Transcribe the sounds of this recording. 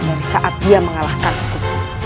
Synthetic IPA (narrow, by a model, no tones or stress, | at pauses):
daɾisaʔat̪̚diaməŋalahkansik̪ut̪̚u